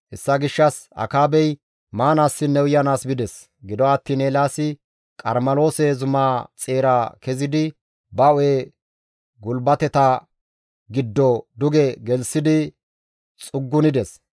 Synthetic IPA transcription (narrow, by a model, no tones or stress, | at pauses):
ʔɛsːɐɡɪʃːɐsɐ̰kaːbɛj | maːnaːsːɪnːɛwʊjɐnaːsbɪd̪ɛs | ɡɪd̪ɔɐt̪ːiːneːlaːsɪ | kʼɐ̰ɾmɐlo̞ːsɛzʊmaːt͡sʼeːɾaːkɛzɪd̪ɪ | bɐɔeː | ɡʊlbɐt̪ɛt̪ɐ | ɡɪd̪ːɔd̪ʊɡɛɡɛlsɪd̪ɪ | t͡sʼʊɡːʊnɪd̪ɛs